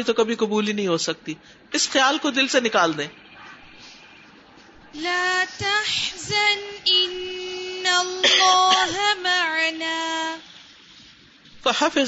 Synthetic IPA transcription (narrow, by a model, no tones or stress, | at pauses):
it̪okɐbʱikɐbuːlinɐɦĩɦoːsɐk̚t̪iː | ɪsxɪjaːlkod̪ɪlsenɪkaːld̪ẽː | laːt̪aħzanʔɪnː | alːɑːɦmaʕanaː | fɐħafɪ